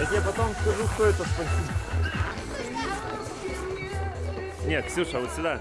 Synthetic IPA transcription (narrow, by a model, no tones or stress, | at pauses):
ɛt̪japɐt̪omskɐʐuʂt̪oɛt̪əspɐsʲi | nʲet̪sʲuʂavot̪sʲɪd̪a